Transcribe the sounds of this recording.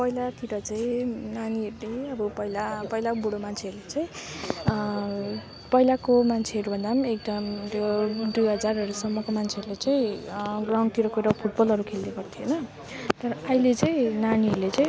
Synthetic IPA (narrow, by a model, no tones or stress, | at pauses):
pʌilat̪iɾʌt͡saĩnaniʌɾuleʌbʌpʌilapʌilakoboɽomant͡sʰeʌɾulet͡saĩ | pʌilakomant͡sʰeɦʌɾubʱʌnd̪amek̚d̪ʌmt̪od̪ujɦʌd͡zarʌɾusʌmːʌkomant͡sʰeʌɾulat͡saĩɡraw̃ɳt̪iɾʌkuɾʌpʰuʈ̚bʌlʌɾukʰelneɡʌrt̪ʰijonʌ | t̪ʌɾʌʌjlet͡saĩnaniɦʌɾulet͡saĩ